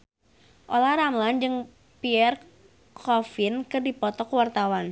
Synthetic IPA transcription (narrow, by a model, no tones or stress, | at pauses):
ʔolahɾamland͡ʒɨŋ | piɛr | kʰɔfɪnkɨrdipɔt̪ɔkwart̪awan